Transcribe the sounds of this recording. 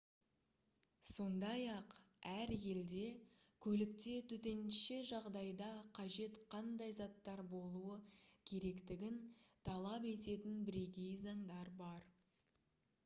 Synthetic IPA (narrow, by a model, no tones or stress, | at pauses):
so̞nd̪ɑjɑqæɾje̞ld̪e̞ | kʲʰɵlɪk̚t̪e̞t̪ʰʏt̪e̞nʃe̞ʒɑʁd̪ɑjd̪ɑqʰɑʒe̞t̪qʰɑnd̪ɑjzɑt̪ːɑɾbo̞lˠuəkʲʰe̞ɾe̞kt̪ɪɡʲɪnt̪ʰɑlˠɑpe̞t̪e̞t̪ɪnbɪɾe̞ɡʲe̞jzɑɴd̪ɑɾbɑɾ